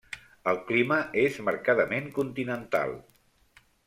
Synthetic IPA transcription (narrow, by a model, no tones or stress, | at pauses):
əlˠkliməezməɾkaðəmeŋkunt̪inənt̪a̰lˠ